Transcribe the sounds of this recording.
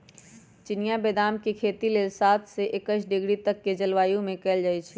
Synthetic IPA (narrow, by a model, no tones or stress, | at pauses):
t͡ʃɪnjabeːd̪aːmkekʰeːt̪ileːlsaːt̪ʰseʔekəʃɖɪɡɽit̪əkːed͡ʒəlʋaːjũmẽkɛːld͡ʒaːjt͡ʃʰi